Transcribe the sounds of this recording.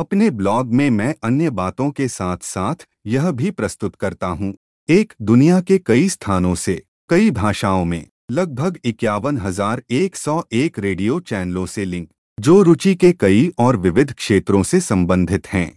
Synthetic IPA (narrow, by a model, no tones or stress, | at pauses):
ɐpneblɔːɡmẽmɛ̃ːʔɐnjəbaːt̪õkesaːt̪ʰsaːt̪ʰ | jɐɦbʱipɾɐst̪ʊt̪kɐɾt̪aɦũː | eːkd̪ʊnijakekɐist̪ʰaːnõse | kɐibʱaːʃaːõmḛ̃ | lɐɡ̚bʱəɡɪkjaːʋənɦɐzaːɾeːksɔːʔeːkɾeːɖijot͡ʃɛːnəlõselɪ̃ŋk | d͡ʒoːɾʊt͡ʃikekɐiʔɔːɾʋɪʋɪd̪ʱkʃeːt̪ɾõsesɐ̃mbə̃nd̪ʱɪt̪hɛ̃ː